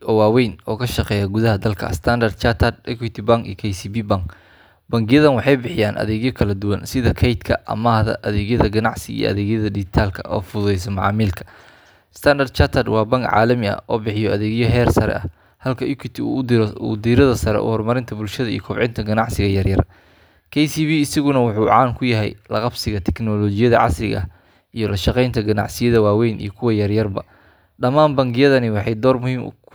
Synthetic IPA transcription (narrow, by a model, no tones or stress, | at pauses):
ɔːwɑːwɛjnɔːkʰɐʃɑqɛːjɐɡʊðɐɦɐd̪ɐlkʰɐ̰st̪ʰɐnd̪ɐrd̪t͡ʃʰat̪ʰɐd̪̚ɛkwit̪ʰɪbaŋkḭkʰɛjsiːbibaŋk | bɐŋɡɪjɐðɐnwɑħɑjbɪħɪjaːnʔɐ̰ðɛːɣjɔkʰɐlɐd̪ʊwɐnsɪðɐkʰɛjt̪kʰɐʔɐ̰maːhðɐ̰ʔɐðɛːɣjɐðɐɡɐnɑʕsɪḭjɔ̰ʔɐ̰ðɛːɣjɐðɐdɪɡɪt̪ʰaːlkʰɐʔɔːfʊðɛjs̬ɔmɑʕɑ̰ːmiːlkʰɐ̥ | st̪ʰɐnd̪ɐrd̪t͡ʃat̪ʰɐd̪wɑːbɐŋkʕɑ̰ːlɐmɪɐ̰ʔɔːbɪħɪjɔɐðɛːɣjɔɦɛːrsɐɾɛ̰ʔɐ | hɐlkʰɐjukʰɪt̪ʰɪuːd̪iːɾɐðɐsɐɾɛ̰ʔʊ̰hɔrmɐɾɪnt̪ʰɐbʊlʃɐðɐijɔkʰɔbʕɪnt̪ʰɐɡɐnɑʕsɪɣɐjɐrjɐr | kʰɛjsiːβiːɪsɐɣʊnɐwʊħuːʕɑːnkʰʊjɐɦɛ̰jlɑqɑbsɪɣɐt̪ʰɛknɔlɔːt͡ʃɪjɐðɐ̰ʕɑ̰slɪɣɐ̰ | ijɞlɐʃɑqɛjnt̪ʰɐɡɐnɑ̰ʕsɪjɐðɐwaːwɛjnʔḭjɞkʰʊwɐjɐrjɐrbɐ | ɖɐmaːnbɐŋɡɪjɐðɐnɪwɑħɑjd̪ɔːrmʊhiːm